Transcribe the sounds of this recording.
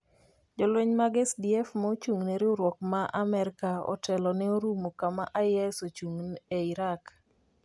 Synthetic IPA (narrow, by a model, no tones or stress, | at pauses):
d͡ʒɔlwɛɲmaɡɛsdiɛfmaot͡ʃuŋneɾɪoɾwɔk̚maʔamɛɾkaɔ̰tɛlɔnɛoɾumokama̰ʔajɛsot͡ʃuŋneiɾak